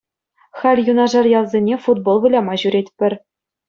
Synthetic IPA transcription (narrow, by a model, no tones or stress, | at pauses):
xɑlʲjunɑʐɑrjɑlˠzʲenʲefud̪̚bolˠʋɯlʲɑmɑʑyɾʲet̚ʲpʲɘ̆rʲ